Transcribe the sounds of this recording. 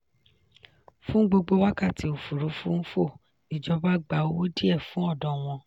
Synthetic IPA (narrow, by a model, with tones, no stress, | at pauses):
fũ˦ɡ͡bo˧ɡ͡bo˧wa˦ka˦˨ti˧o˨fu˨ɾu˨˦fũ˦n̩˦fo˦˨ | i˨d͡ʒɔ˧ba˦ɡ͡ba˨wo˦o˦di˦ɛ˦˨fũ˦ɔ˦˨dɔ̃˨w̃ɔ̃˧